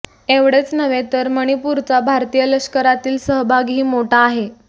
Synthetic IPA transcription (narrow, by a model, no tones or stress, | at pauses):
eʋɽet͡snəʋet̪əɾməɽ̃ipuɾt͡sabʱaɾt̪ijələɕkəɾat̪iːlsəɦbʱaɡɦiːmoʈaːɦe